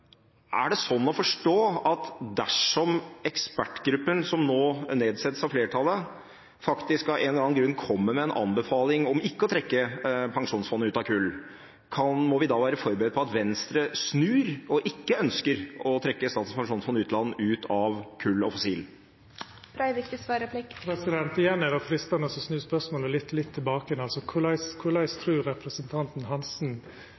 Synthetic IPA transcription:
ʔæ̰ɖɛsɔnːɔfɔʂʈoːɑt̪d̪æʂɔmɛkspæʈːɡɾʉpːənsɔmnoːneːd̪sɛt̪ːəsɑfleːʈʰɑlːə | fɑkt̪ɪskɑʔɛnlɾɑːnɡɾʉnːkʰɔmːəmɛɛnʔɑ̰nbəfɑːlɪŋɔmɪkːəɔt̪ʰɾɛkːəpʰɑŋʂuːnsfɔnːəʉːt̪ɑʋkʰʉlː | kʰɑnmɔʋɪd̪ɑːʋæːɾəfɔɾbəɾɛd̪̚pʰɔɑt̪ʋɛnst̪ɾəsnʉːɾɔʔɪkːəœnskəɾɔt̪ʰɾɛkːəst̪ɑːt̪əspɑŋʂuːnsfɔnːəʉːt̪lɑnːəʉːt̪ʰɑʋkʰʉlːɔ̰fɔsiːl | pʰɾɑɪʋɪkt̪ɪsʋɑːɾəpʰlɪkpʰɾɛsɪd̪ɛnt̪ɪjɛnːɛɾɑfɾɪst̪ɑnɔsɔsnʉːspœsmoːləlɪt̪ːlɪt̪ʰːɪlbɑːkəɛnɑlsɔkʰʊlɑɪskʰʊlɑɪst̪ʰɾʉːɾɛpɾəsənt̪ʰɑnt̪n̩ɦɑnsn̩

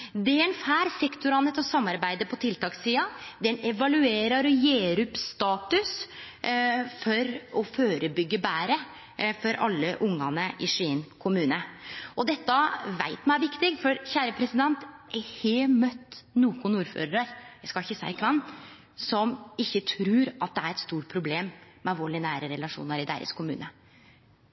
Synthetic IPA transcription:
d̪ɛɛnfæːɾsɛkt̪ʊɾɑnət̪ɔsɑmːɑɾbæɪd̪əpʰɔt̪ʰɪlt̪ʰɑːksiːɑd̪ɛnɛʋɑlʉeːɾɑɾɔjeːɾʉpst̪ɑːt̪ʉs | fɔɾɔføːɾəbʏɡːəbæːɾə | fɔɾʔɑ̰lːəʔʊŋːɑnəʔɪsɪnkʰʊmʉːnəɔd̪ɛt̪ːəʋæ̰ɪt̪mææʋɪkt̪ɪɡfɔɾçæːɾəpʰɾɛsɪd̪ɛnt̪ɛheːmœt̪ːnuːkʊnuːɾfø̰ːɾɾəɾjæɪskɑɪçəsæ̰ɪɾkʰʋɛnː | sɔmɪçːət̪ʰɾʉːɾʔɑt̪̚d̪ɛæɾɛt̪st̪uːʈ̚pʰɾʊbleːmː | ɛɑʋoːɭɪnæːɾəɾɛlɑʂṵːnəɾɪd̪æ̰ːɾə̰skʰʊmʉ̰ːnə

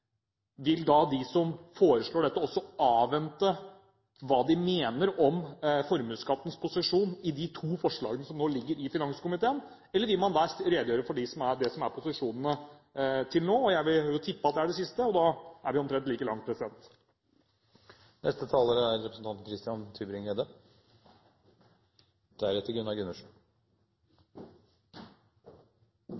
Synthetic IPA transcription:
ʋɪld̪ɑd̪ɪsɔmfoːɾəʂɭoːɖɛt̪ːəɔsːɔɑːʋɛnt̪ə | ʋɑːd̪ɪmeːnəɾɔmfɔɾmʉːskɑt̪ːən̩spʰʊsɪʂuːnɪd̪ɪt̪ʰuːfɔʂɭɑ̰ːɡənəsɔmnoːlɪɡːəɾɪfɪnɑŋsə̥kʊmɪt̪ʰeːən | ɛlːəɾʋɪlmɑnd̪ɑːɾeːd̪əjøːɾəfɔɖɪsɔmæɖɛsɔmæɾpʰʊsɪʂuːnənə | t̪ʰɪlnoːɔjæɪʋɪlhøːɾət̪ʰɪpːɑt̪̚d̪ɛæɖɛsɪst̪əɔd̪ɑːæɾʋɪɔmt̪ʰɾɛnt̪liːkəlɑŋt̪̚pʰɾɛsɪd̪ɛnt̪ | nʔɛ̰st̪ət̪ʰɑːləɾəæɾɾɛpɾəsn̩t̪ʰɑnt̪n̩kʰɾɪst̪ɪɑnt̪ʰyːbɾɪŋed̪ə | d̪̥æɾɛt̪ːɪlɡʉnɑɡʉnəʂ

